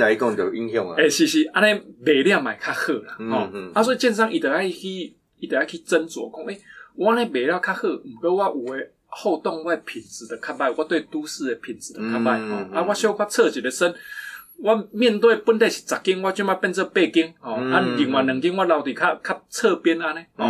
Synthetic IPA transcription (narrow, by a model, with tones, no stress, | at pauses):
na˨i˦˧˩kɔ˥˨ŋt̪jo˨˩ʔi˧˦ŋjɔ˥˨ŋa˨e˨˩ɕi˧˩ɕi˧ʔa˦nẽ˧be˨˩lja˥˧˩mã˨˩ɪkʰa˦˥hɤ˥˨la˨˩hɔ˨a˦swɔ˧˥˨i˨t͡ɕjɛ˥˧ns̬a˥˨ŋʔi˨t̪ə˨˩a˥˩˧kʰi˦ | i˨˩t̪ə˨˩a˥˩kʰi˦t͡sə˦nt͡swɔ̰˨˦kɔ˥˨ŋʔe˦wa˦a˦nẽ˧˩be˨˩ɾja˥˧˨kʰa˦˥hɤ˥˧˨m̩˨˩kə˧˦wa˦ʔu˨˩e˨˧˦ | ho˥˧t̪ɔ˥˨ŋwa˦˧e˧pʰi˨˩nt͡sɹ̩˨˩d̪ə˨kʰa˦˥p̚ba˥˧˨wa˦t̪we˥˧˩t̪u˦sɹ̩˥˧e˨pʰi˨˩nt͡sɹ̩˨˩də˨kʰa˦p̚ba˥˧˩hɔ˥˨a˦wa˦ɕjɔ˥˦kʰwa˥˧t͡sʰə˥˧t͡ɕi˨te˨sə˦nwa˦mjɛ˥˧nt̪we˥˩˨pu˧˦nt̪e˥˧˨ɕi̥˨˩t͡sa˨˩kːi˦ŋwa˦t͡ɕo˧˦ma˥˧pɛ˥˧nt͡sə˥˧pe˥˧ki˦ŋhɔ̃˨a˦˨li˨˩˦ŋwa˨˩nɨ˨˦ŋki˦ŋwa˦la˨˧ʊt̪i˨kʰa˦kʰa˦p̚t͡sʰə˥˧pjɛ˦n˧a˧nẽ˦hɔ˨